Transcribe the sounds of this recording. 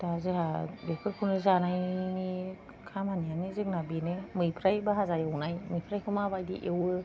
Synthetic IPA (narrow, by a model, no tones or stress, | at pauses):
tazɯɦabekʰɯɾkʰɯnɯzanajni | kʰamhanianizɯk̚nabinemɯjpʰɾajbaɦazajawnajmɯjpʰɾajkʰɯmabajdḭʔewɯ